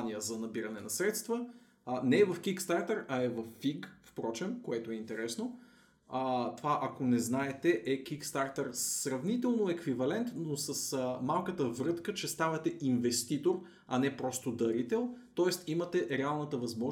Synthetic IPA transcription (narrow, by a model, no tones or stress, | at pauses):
nijəzɐnɐbiɾɐnɛnɐsɾɛt̪st̪və | nɛvɐfkikst̪aɾt̪əɾɐɛvɐfːiɡfpɾɔt͡ʃɛmkoɛt̪oɛint̪ɛɾɛsno | t̪ovaʔɐkonɛznaɛt̪ɛʔɛk̟ikst̪aɾt̪əɾsɾɐvnit̪ɛlˠnoɛkvivɐlɛnt̪nosəsmalˠkət̪əvɾɤt̪kət͡ʃɛst̪avɐt̪ɛʔinvɛst̪it̪oɾ | ɐnɛpɾɔst̪od̪ɐɾit̪ɛlˠt̪ɔɛst̪imət̪ɛɾɛalˠnət̪əvɐzmɔʒ